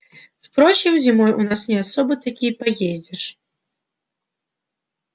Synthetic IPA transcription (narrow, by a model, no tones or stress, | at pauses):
wpɾɔt͡ɕimzʲimɔjʔunasnʲɛasɔbɨt̪akʲipajed͡zʲɛʂ